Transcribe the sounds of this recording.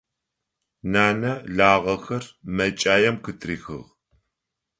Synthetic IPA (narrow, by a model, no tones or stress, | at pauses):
naːnɐɮaːʁɐxɐrmɐt͡ʃʼaːjɛmkɨtʰʼriːxɨ̰ʁ